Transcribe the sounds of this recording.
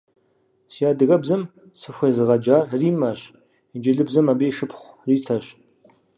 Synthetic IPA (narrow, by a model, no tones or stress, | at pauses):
sijaːdɨɣɐbzɐm | sɨɕʷɐjzɨʁɐd͡ʒaːrriːmɐɕ | id͡ʒɪɮɨbzɐmabeːjʂɨpʰχʷriːtʰɐɕ